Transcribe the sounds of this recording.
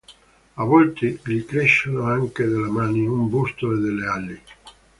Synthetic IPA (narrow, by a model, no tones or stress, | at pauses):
avɔlt̪ilikɾeʃanoaŋked̪elːamaːniumbust̪oed̪elːealːi